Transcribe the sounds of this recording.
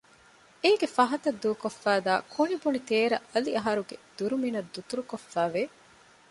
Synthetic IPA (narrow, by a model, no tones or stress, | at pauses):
eːɡefɐɦɐt̪ɐd̪ːuːkofːæːd̪aːkʰonibunit̪eːɾɐ̰ʔɐliɐɦɐɾuɡed̪̥uɾuminɐd̪ːut̪uɾukofːæːʋe